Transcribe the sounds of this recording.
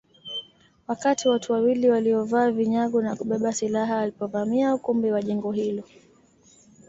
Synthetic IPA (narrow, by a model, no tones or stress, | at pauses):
wakatiwatuwawiliwaliɔvaːviɲaɠunakuɓɛɓasilaɦaːlipɔvamiaukumbiwaʄɛŋɡɔɦilɔ